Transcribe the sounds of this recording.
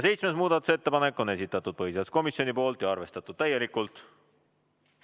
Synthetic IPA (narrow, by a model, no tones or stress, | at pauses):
ɑse̞jt̪smesmuːd̪̥ɑt̪ːˑu̥se̞t̪ːe̞pɑnekːˑo̞ne̞sit̪ːˑɑt̪ːˑud̪̥̚pɤɦisesko̞misjo̞nipo̞ːlt̪jɑɑrve̞st̪ɑt̪ːˑud̪̥̚t̪æje̞likːˑult̪ˑ